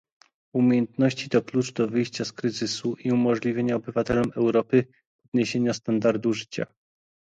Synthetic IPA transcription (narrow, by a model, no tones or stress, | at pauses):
umʲjejɛnt̪nɔɕt͡ɕit̪ɔklut͡ʂd̪ɔvɘjɕt͡ɕaskɾɘzɘsuʔiumɔʐlʲivʲjeɲaɔbɘvat̪ɛlɔmɛwɾɔpɘ | ɔd̪̚ɲeɕeɲast̪and̪aɾd̪uʐɘt͡ɕa̰